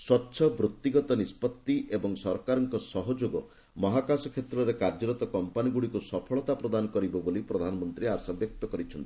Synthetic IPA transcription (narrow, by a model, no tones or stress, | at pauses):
swɔtːʃʰɔbɾut̪ːiɡɔt̪ɔnispɔt̪ːiebɔŋsɔɾkaɾɔŋkɔsɔɦɔd͡ʒoɡɔ | mɔɦakasɔkʰet̪ɾɔɾekaɾd͡ʒɔɾɔt̪ɔkɔmpaniɡuɽikusɔpʰɔɭɔt̪apɾɔd̪anɔkɔɾibɔbolipɾɔd̪ʱanɔmɔnt̪ɾiaɾsabjɔk̚t̪ɔkɔɾit͡ʃʰɔnt̪i̥